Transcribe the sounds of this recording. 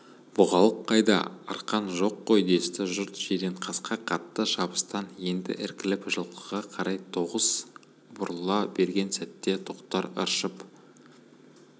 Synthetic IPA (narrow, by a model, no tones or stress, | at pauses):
b̥ʊʁɑlˠəqʰːɑjd̪ɑ̰ɑ̰ɾqɑnʒo̞qːo̞jd̪e̞st̪ɪʒʊɾt̪ʒ̥ed̪eɴqʰɑsqɑqʰɑt̪ːəʃɑbəst̪ɑnje̞nd̪ɪ̰ʔɪɾkʲɪlɪpʒəlˠq̪əʁɑqʰɑɾɑjt̪ʰo̞ʁəz̥ | bʊɾəlˠɑbe̞ɾɡʲe̞nsæt̪ːe̞t̪ʰoqt̪ɑɾə̰ɾʃəp